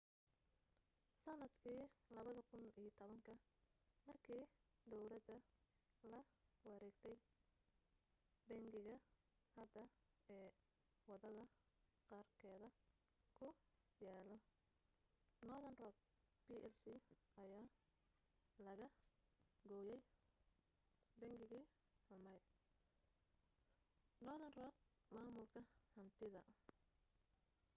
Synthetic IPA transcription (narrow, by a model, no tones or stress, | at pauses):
sɐnɐd̪kʰiːlɐβɐðɐkʰʊniːjt̪ʰɔβɐŋkʰɐmɐrkʰiːd̪ɔwlɐd̪ɐ | lɐwɑɾɛːɡt̪ʰɛj | bɛŋɡɪɣɐ | hɐd̪ɐ | ɛː | wɑðɐðɐ | qɑːrkʰɛːðɐkʰʊ | jaːlɔ | nɔðɐnrɔːɡ̚ | piːʔɛlsiɐjaː | lɐɣɐ | ɡɔːjɛj | bɛŋɡɪɣiː | hʊmɐj | nɔːðɐnrɔːk̚ | maːmʊlkʰɐhɐnt̪ʰɪðɐ